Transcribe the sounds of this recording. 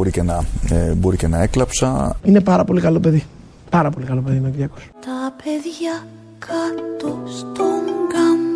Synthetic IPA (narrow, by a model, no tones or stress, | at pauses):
oɾicenɐebo̞ɾicenɐeklɐpsɐ̰ine̞pɐɾɐpo̞likɐlope̞ði | pɐɾɐpo̞likɐlo̞pe̞ðinociɾiɐko̥st̪ɐpʰeðʝɐ | kʰɐt̪ost̪oŋɡɐm